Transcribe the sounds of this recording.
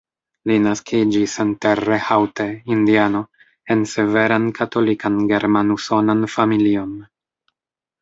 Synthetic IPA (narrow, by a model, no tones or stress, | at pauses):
linaskʰid͡ʒisenterːehawte̞indiano̞ | ense̞ve̞ɾankʰato̞likanɡe̞ɾmanuso̞nanfamilio̞n